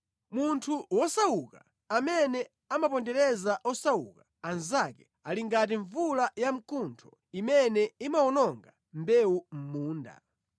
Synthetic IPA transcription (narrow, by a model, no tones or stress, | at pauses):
muntʰuwɔsauka | amɛnɛ | amapɔndɛɾɛzaʔɔsaṵka | anzakɛ | aliŋɡat̬iɱvulajam̩kʰuntʰɔ | imɛnɛimaɔnɔŋɡa | mbɛum̩muːnda̰